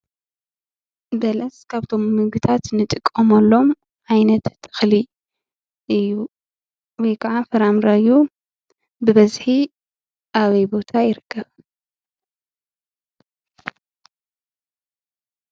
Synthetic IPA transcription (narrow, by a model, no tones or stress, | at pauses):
bɐlɐskʰaβt̪ʰo̞mːɨɡɨt̪ʰat̪nɨt̪ʼɨkʼːɐmɐlːo̞m | ʔʕajnɐt̪t̪ʰːɨ̥xli | ʔɨjːu | wɔjkʰɐʕafɨɾamɾɐɨju | bɨβɐzħi | ʔaβɐjbo̞t̪ʰajɪɾɨkʰːɐβ